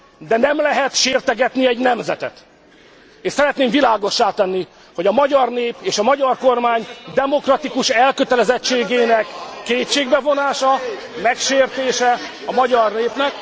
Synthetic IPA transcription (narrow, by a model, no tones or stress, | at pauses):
d̪ɛnɛmlɛɦɛt̪ʃeːrt̪ɛɡɛt̪niɛɟnɛmzɛ̰t̪ɛ̰t̪ | eːʃsɛɾɛt̪neːmvilaːɡo̞ʃːaːt̪ɛnːi | ho̞ɟɒmɒɟɒrneːpeːʃɒmɒɟɒrko̞rmaːɲd̪ɛmo̞krɒt̪ikuʃɛlkøt̪ɛlɛzɛt͡ʃːeːɡeːnɛkːeːtt͡ʃeːɡbɛvo̞naːʃɒ | mɛkʃeːrt̪eːʃɛ | ɒmɒɟɒrneːpnɛk